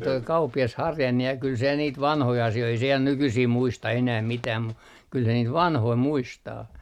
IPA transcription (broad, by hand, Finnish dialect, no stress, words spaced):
toi kɑupːiɑs hɑrjɑnːe jɑ kyl se niːt ʋɑnhoi ɑsioi ei se jɑ nykysiː muistɑ enæh mitæːm mu kyl se niːt ʋɑnhoi muistɑː